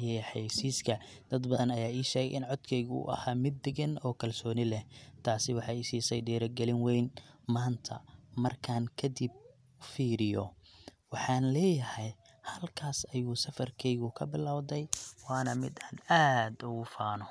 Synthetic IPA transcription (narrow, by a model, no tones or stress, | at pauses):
jɛħɑjsiːskʰɐ | d̪̥ɐd̪bɐðɐnɐjaːiːʃɛːɣɛjʔɪnʕɔd̪kʰɛjɣṵːʔɐ̰haːmɪd̪ːɛɣɐnɔːkʰɐlsɔːnɪlɛt̪ʰaːsɪwɑħɑjɪsiːsɛjɖɛːɾɐɡɛlɪnwɛjnmaːnt̪ʰɐ̰mɐrkʰaːŋkʰɐd̪ɪb̚ | fiːɾɪjɔwɑħɑːnlɛːjɐhɛj | hɐlkʰaːsɐjuːsɐfɐrkʰɛjɣʊkʰɐbɪlaːwd̪ɛjwɑːnɐmɪd̪anaːd̪ʊɣʊfaːnɔ